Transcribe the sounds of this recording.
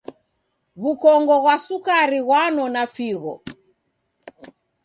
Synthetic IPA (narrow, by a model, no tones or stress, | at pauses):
βukɔŋɡɔɣwasukaɾiɣwanɔnafiɣɔ̰